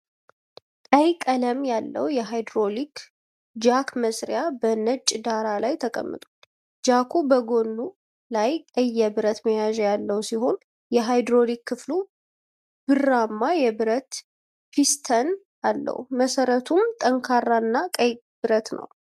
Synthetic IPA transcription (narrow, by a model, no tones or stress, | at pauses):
kʼəjkʼələmjalːə̰wjɛɦajd̪ɾolikʰ | d͡ʒakməsɾjabənət͡ʃʼːd̪aɾalajt̪ʰəkʼə̰mːɨ̰t̪ʼal | d͡ʒakʰubəɡonːu | lajkʼəjːɛbɨɾət̪məjaʒɛjalːəwsiɦo̞n | jɛɦajd̪ɾolikːɨflu | b̥ɨrːamːajɛbɨɾət̪ | fist̪ʰən | alːə̰wuməsəɾət̪ʰumt̪ʼəŋkʰarːaɨnːakʼəj | bɨɾət̪nə̰w